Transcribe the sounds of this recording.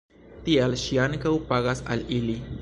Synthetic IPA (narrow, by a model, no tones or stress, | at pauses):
t̪ialʃiankawpaɣasa̰lili